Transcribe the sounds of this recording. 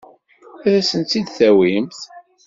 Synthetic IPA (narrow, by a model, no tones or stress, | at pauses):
æðæsənt̪ːid̪θæwimθ